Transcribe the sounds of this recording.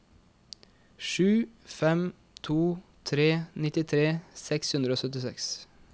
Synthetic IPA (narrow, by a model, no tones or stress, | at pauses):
ʃʉːfɛm | t̪ʰuːt̪ʰɾeːnɪt̪ɪt̪ʰɾeːsɛkshʉnd̪ɾoːsœt̪ɪsɛ̰ks